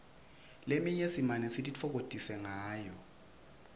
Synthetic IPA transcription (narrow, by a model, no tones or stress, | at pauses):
lemiɲesimanɛsitʼit͡fʰɔk̬otʼisɛŋaːjɔ